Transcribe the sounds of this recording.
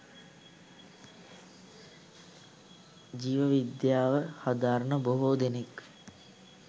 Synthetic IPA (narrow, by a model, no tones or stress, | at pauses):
d͡ʒiːʋəʋid̪jaːʋəhad̪aːɾənəboɦoːd̪enek